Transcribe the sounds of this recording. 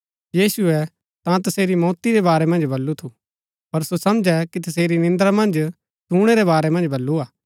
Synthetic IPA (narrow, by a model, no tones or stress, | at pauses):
jiːsuɛ | t̪ãt̪ɐseːɾimɔːt̪iɾɛbaːɾɛmɐ̃nd͡ʒbɐlːut̪ʰu | pɐɾsosɐmd͡ʒɛkit̪ɐs̬eːɾinɪ̃nd̪ɾamɐ̃nd͡ʒ | suːɽ̃eɾɛβaːɾɛmɐ̃nd͡ʒbɐlːuaː